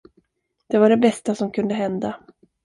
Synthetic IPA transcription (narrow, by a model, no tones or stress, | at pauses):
d̪̥ɛvaɖɛbɛst̪asɔmkʰɵnd̪əɦɛnd̪a